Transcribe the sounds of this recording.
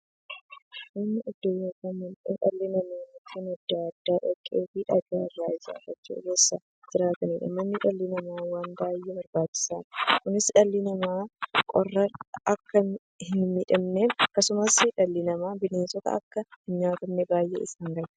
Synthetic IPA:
ɪnːɐʔʊd̪ːɔjokɐnmɐnḛnᶑɐ̰lːɪnɐmeːnʊt̪ʰinɐd̪ːaːɐd̪ːaːᶑɔkʼːeːfiᶑɐɡaːɐdːaːɪzɐ̰fɐt͡ʃːṵɡeːsːɐ | d͡ʒɪɾaːt̪ɐniᶑɐ̰mɐnːɪᶑɐlːɪnɐmaːwaːnbaːjːɛbɐɾbaːt͡ʃːɪ̥saːnkʊnɪsᶑɐlːɪnɐmaːkʼɔrːɐɐkːɐ | hɪnmɪᶑɐmneːnɐkːɐsʊmɐsᶑɐlːɪnɐmaːbɪneːnsɔt̪ɐ̰ɐ̰kːɐhɪnɲaːt̪ɐmnɛbaːjʔɛ̰ɪ̰saːŋɡɐɾɐ

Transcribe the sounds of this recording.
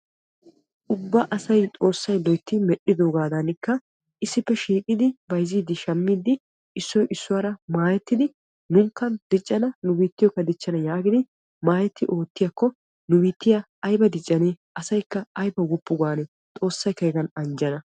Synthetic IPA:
ʔʊbːɐʔɐsɐjt̪ʼo̞ːsːɐjlɔjt̪ːɪmɛɗːɪd̪o̞ːɡaːd̪ɐnɪkːɐ | ʔɪsːɪpːɛʃiːkʼɪd̪ɪbɐjziːd̪ɪʃɐmːiːd̪ɪ | ɪsːɔjʔɪsːʊwaːɾɐmaːjɛt̪ːɪd̪ɪ | nʊŋkːɐnd̪ɪt͡ʃʼːɐnɐnʊbiːt̪ːɪjɔkːɐd̪ɪt͡ʃːɐnɐjaːɡɪd̪ɪ | maːjɛt̪ːɪʔo̞ːt̪ːɪjɐkːɔ | nʊbiːt̪ːɪjɐ | ɐjbɐd̪ɪt͡ʃʼːɐneː | ʔɐsɐjkːɐɐjbɐwɔpːʊɡaːnɛ | t̪ʼo̞ːsːɐjkɐjɡɐnɐnd͡ʒɐnɐ

